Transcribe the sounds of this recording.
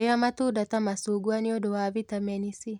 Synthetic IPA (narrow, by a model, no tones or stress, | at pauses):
ejamatuːdatamasuːɡuaneodowaβitamɛnisi